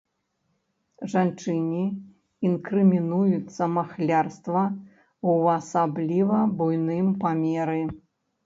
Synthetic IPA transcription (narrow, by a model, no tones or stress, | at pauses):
ʐant͡ʂɨnʲi | inkɾɨmʲinujut̪sːɐmaxlʲarst̪vɐ | uɐsablʲivɐbujnɨmpamʲɛɾɨ